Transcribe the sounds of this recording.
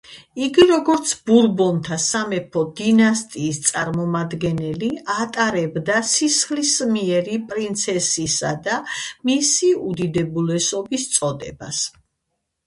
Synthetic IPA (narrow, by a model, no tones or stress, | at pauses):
iɡiɾɔɡɔɾt̪sʰb̥uɾbɔnt̪ʰasamɛpʰɔd̪inast̪ʼiːst̪sʼaɾmɔmad̪ɡɛnɛliat̪ʼaɾɛbd̪asisχlismiɛɾipʼɾint̪sʰɛsisad̪amisiud̪id̪ɛbulɛsɔbist̪sʼɔd̪ɛ̰ba̰s